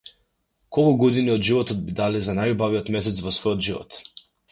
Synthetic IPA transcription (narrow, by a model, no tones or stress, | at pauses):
kɔlkuɡɔd̪iniɔd̪ʒivɔt̪ɔd̪̚bid̪alizanajubaviɔt̪mɛsɛt̪svɔsvɔjɔt̪ʒivɔ̰t̪